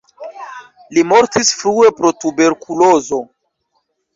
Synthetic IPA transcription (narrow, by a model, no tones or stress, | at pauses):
limo̞ɾtisfɾue̞pɾo̞tube̞ɾkʰulo̞zo̞